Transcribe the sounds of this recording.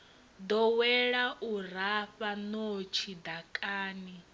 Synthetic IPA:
d̪ɔwɛɺaʔuɾ̤aɸanot͡ʃʰid̪akʼaːni

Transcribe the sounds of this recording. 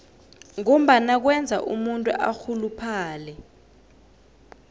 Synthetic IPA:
ŋom̩ɓanak̬wɛnd͡zʱa̰ʔumuntʼuʔaxulupʰaaːlɛ

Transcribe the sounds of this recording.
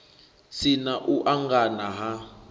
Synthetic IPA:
sinaʔuʔaŋɡanaɦa

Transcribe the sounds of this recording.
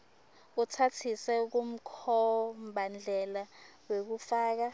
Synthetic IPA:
utʰatʰisɛuk̬um̩kʰɔmbʱand͡ɮʱɛla | wek̬ufaːk̬a

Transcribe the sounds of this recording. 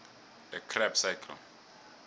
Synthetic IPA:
dɛkʰrɛpsakʰl

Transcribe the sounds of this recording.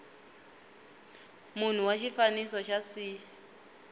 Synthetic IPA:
mun̤uwat͡ʃʰifanisɔt͡ʃʰasi

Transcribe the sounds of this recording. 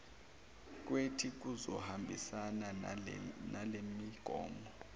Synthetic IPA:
k̬wetʰik̬uzɔ̰hambʱisana | nalemiɡ̥ʱɔ̰ːmɔ

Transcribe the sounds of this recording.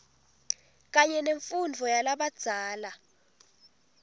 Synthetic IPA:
k̬aɲɛneɱfund͡vʱɔjalaɓad̥z̥ʱaːla

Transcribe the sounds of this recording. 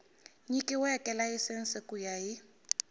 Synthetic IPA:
ɲikʼɪwʊɛkʼɛlaɪsɪn̩sɪkʼujajɪ

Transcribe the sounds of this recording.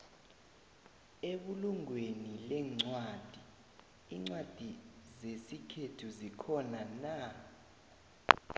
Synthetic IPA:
eɓuluŋwenilɛŋ͡ǀwad̥ʱiː | ŋ͡ǀwad̥ʱizesikʰetʰuzikʰɔnana

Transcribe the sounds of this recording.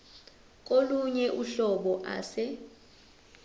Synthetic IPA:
k̬ʼoluɲɛʔuɬɔɓɔʔa̰ːsɛ

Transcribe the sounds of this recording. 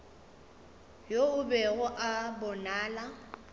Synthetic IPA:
joʊbɛɣʊʔabɔnaːla

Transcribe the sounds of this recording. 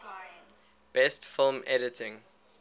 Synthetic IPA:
b̥ɛstfɪlˠmɛɾɪtʰɪ̃ŋ

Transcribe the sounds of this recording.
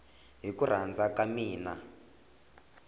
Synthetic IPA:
ɦikur̤and͡zakamiːna

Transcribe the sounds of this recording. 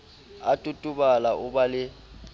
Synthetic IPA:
atʼutʼʊɓalaʔʊɓalɪ

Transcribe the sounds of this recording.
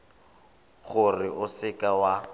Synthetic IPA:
ɣʊrɪʔʊsɪkʼawa

